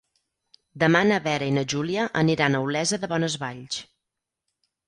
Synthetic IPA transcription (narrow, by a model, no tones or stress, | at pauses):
d̪əmanəβɛɾəinəʒuliəʔəniɾanəwlɛzəðəβɔnəzβaʎt͡ʃ